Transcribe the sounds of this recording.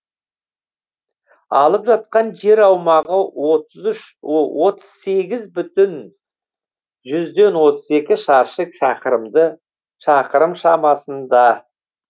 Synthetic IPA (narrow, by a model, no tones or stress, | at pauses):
ɑ̰lˠəpʒɑt̪̚qɑnʒe̞ɾɑwmɑʁəzʏʃ | wʔo̞t̪ə̥z̥se̞ɡʲɪzbʏt̪ɪn | ʒʏzd̪e̞nwo̞t̪əze̞kʲɪʃɑɾʃəkʃɑqəɾəmd̪ə | ʃɑqəɾəmʃɑmɑsənd̪ɑ